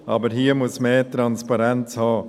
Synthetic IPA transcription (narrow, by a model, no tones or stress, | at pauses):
ʔɑːbəɾɦiːəmʊsmeːtɾɑnspɑɾɛnt͡shɑː